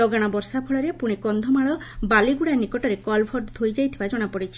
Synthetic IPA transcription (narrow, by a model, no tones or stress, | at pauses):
ɔɡaɽ̃ɔbɔɾsapʰɔɭɔɾepuɽ̃ikɔnd̪ʱɔmaɭɔbaliɡuɽanikɔʈɔɾekɔlbʱɔʈd̪ʱojd͡ʒajt̪ʰibad͡ʒɔɽ̃apɔɽit͡ʃʰi